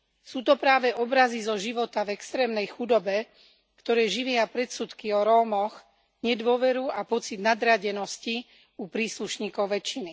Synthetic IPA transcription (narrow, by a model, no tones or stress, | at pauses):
suːt̪ɔpɾaːʋɛʔɔbɾazizɔʒiʋɔt̪avɛkst̪ɾɛːmnɛjxud̪ɔbɛ | kt̪ɔɾɛːʒiʋɪapɾɛt̪sut̪kiɔɾɔːmɔx | ɲɛd̪ʋʊɔʋɛɾuapɔt͡sid̪nad̪ɾaɟɛnɔsci | upɾiːsluʃɲiːkɔʊʋɛt͡ʃːini